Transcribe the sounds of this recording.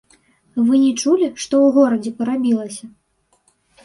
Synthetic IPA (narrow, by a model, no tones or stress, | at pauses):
vɨnʲɛt͡ʂulʲiʂt̪ɔwɣɔɾɐd͡zʲɛpɐɾabʲilˠɐsʲɐ